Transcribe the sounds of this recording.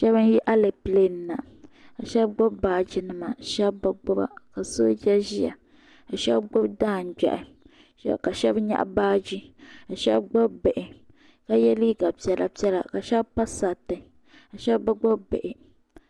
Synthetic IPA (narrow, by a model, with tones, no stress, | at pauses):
ʃɛ˦bɨ˦nji˦ʔa˦le˨ple˦n˨na˨ | a˨ʃɛ˦b̚ɡ͡bɔ˦bbaː˦d͡ʒi˦nɨ˦ma˨ʃɛ˦bːa˦ɡ͡bɔ˦ba̰˦ka˨so˦d͡ʒa˦ʒi˦ja̰˨ | a˨ʃɛ˦bɡ͡bo˦bdaː˦˨n̩˨ɡ͡ba̰˨ʔɪ˨˦ | ka˨ʃɛ˦bɲa̰˦ʔbaː˦d͡ʒi˦a˨ʃɛ˦bɡ͡bɔ˦bbe˨ʔɪ˨ | ka˦jɛ˦li˦ɡa˨pi˨˦ɛ˦la̰˦pi˦ɛ˦la̰˨ka˨ʃɛ˦bpa˦sa˨tɨ˨ | a˨ʃɛ˦bba˦ɡ͡bo˦bbḛ˨ʔɪ˨